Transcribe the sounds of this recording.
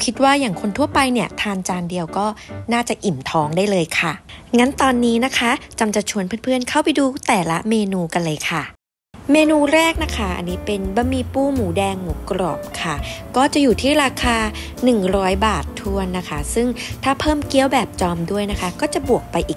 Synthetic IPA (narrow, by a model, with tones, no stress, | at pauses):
kʰi˦˥t̪̚waː˥˩jaː˨˩ŋkʰo˧nt̪ʰu˥˩ɐpa˧jni˥˩ɐt̪ʰaː˧nt͡ɕaː˧ndi˧əwkɔː˥˩naː˥˩t͡ɕa˨˩ʔi˨˩mt̪ʰɔː˧˥ŋdaː˥˩jlɤː˧jkʰa˥˩ŋa˦˥nt̪ɔː˧nːiː˦˥na˦˥kʰa˦˥t͡ɕa˧mt͡ɕa˨˩t͡ɕʰu˧ənpʰɯː˥˩˨npʰɯ˥˩ənkʰa˥˩wpa˧jduː˧t̪ɛː˨˩la˦˥meː˧nuː˧ka˧nlɤː˧jkʰa˥˩ | meː˧nuː˧ɾɛː˥˩k̚na˦˥kʰa˦˥ʔa̰˧nːiː˦˥pe˧nba˧˥miː˧puː˥˩muː˩˦dɛː˧ŋmuː˩˦kɾɔ̰˨˩p̚kʰa˥˩kɔː˥˩t͡ɕa˨˩juː˨˩t̪ʰiː˥˩ɾaː˧kʰaː˧ | nɯ˨˩ŋɾɔː˦˥jbaː˨˩t̪ʰːu˧ənːa˦˥kʰa˦˥sɯ˥˩ŋt̪ʰaː˥˩pʰɤː˥˩mki˦˥əwbɛː˨˩p̚t͡ɕɔː˧mdu˥˩əjna˦˥kʰa˦˥kɔː˥˩t͡ɕa˨˩bu˨˩ək̚pa˧jʔiː˨˩k̚